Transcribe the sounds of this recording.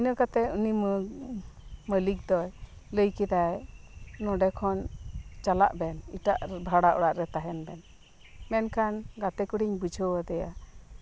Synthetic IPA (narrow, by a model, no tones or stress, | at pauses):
inəkat̪ɛunimə | məlik̚d̪ɔj | ləjkɛd̪aj | nɔɖɛkʰɔnt͡ʃala̰ʔbɛnḭʈaʔbʱaɽaʔɔɽaʔɾɛt̪aɦɛnbɛn | mɛnkanɡat̪ɛkuɽiɲbud͡ʒʱəwəd̪ɛja̰